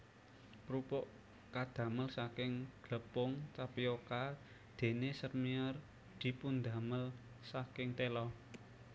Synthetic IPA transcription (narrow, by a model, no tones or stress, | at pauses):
pɾupʊʔ | kad̪̥ä̤məlsakɪŋɡ̥ləpʊŋt͡ʃapioka | d̪̥e̤nesərmiər | d̪̥i̤pund̪a̤məl | sakɪŋt̪elɔ